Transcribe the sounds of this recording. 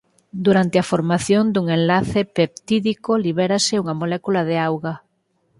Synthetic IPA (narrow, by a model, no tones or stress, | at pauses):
d̪uɾant̪eɪafoɾmaθjond̪uŋẽnlaθepep̚t̪iðikoliβ̞ɛɾaseuŋamolɛkulaðeawɣa